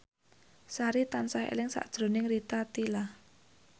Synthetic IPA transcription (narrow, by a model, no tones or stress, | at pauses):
saɾit̪ansahḛlɪŋsa̰ʔd̥ʒ̥ɾo̤nɪŋrit̪at̪ilah